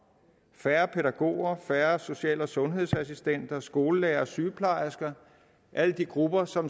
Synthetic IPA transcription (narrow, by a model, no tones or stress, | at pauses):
fæːɐpʰe̝ɾæɡ̥o̝̰ːɐfæːɐso̝ɕiɛ̰ːlɒsɔ̽nɦe̝ð̰ˠsæsisd̥en̰d̥ɐsɡ̥o̝ːləleːɐsyːpʰlɑ̈ɪɐsɡ̥ɐ | ʔæləd̥iɡ̥ʁub̥ɐsɒ̽m